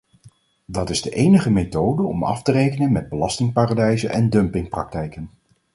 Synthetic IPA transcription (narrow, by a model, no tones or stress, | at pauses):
dɑtɪzdəʔejnəχəmetowdəɔ̰mɑ̰ftərejkənənmɛd̚bəlɑstɪŋpaːradɛjzənʔɛndɵmpɪŋprɑk̚tɛjkən